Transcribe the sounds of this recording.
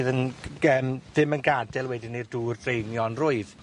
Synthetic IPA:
ðənəːmðɪmənɡadɛlˠwɛdinerduːrd̥rejnjɔnrʊɨð

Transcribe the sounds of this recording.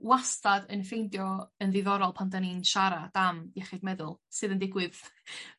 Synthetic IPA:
wastadənfejndjɔənðɪðɔɾɔlˠpʰantaninʃaɾad̥amjɛχɪdmɛðʊlˠsɨːðəndɪɡwɪð

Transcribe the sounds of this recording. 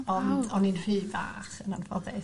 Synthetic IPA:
ɔɔninr̥ɨːva̰χənanfɔðɛ

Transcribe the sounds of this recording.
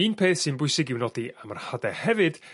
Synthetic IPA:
iːnpʰeːθsɨnbʊjsɪɡɪwnɔdiamarhadɛhɛvɨd̥

